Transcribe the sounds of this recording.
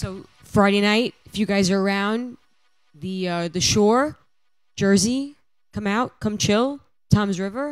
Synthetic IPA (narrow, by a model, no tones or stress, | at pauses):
soʊ | fɹaɪɾeɪnaɪt̚fjʉɡaɪzə˞ə˞ãʊ̃n | ðɨʌðɨʃɔɹ̥ | d͡ʒ̥ɜ˞zi | kʰʌ̃maʊt̚kʰʌ̃mt͡ʃʰɪlˠ | tʰɑ̃mzɹɪvə˞